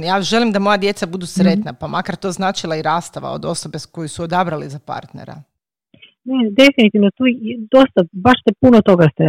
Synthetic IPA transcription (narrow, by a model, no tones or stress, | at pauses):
jaːʒe̞limd̪amo̞jad̪je̞t̪sabud̪usɾe̞t̪napamʔakaɾt̪o̞ːznaːt͡ʃilˠaiɾaːst̪aʋa̰o̞̰d̪o̞so̞be̞ko̞jisuod̪abɾalizapa̰ɾt̪nḛɾa̰ | ned̪efinit̪iʋnot̪ud̪o̞st̪abaʃst̪epunot̪oɡast̪e